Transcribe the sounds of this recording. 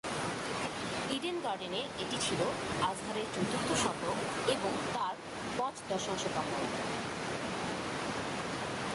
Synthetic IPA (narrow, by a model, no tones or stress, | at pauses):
iɖenɡaɾɖeneeʈit͡ɕʰiload͡ʑɦ̪aɾeɾt͡ɕut̪uɾt̪ːoʃɔpɾokeboŋt̪aɾ | pɔt͡ɕd̪ɔɾʃoŋʃot̪ɔmo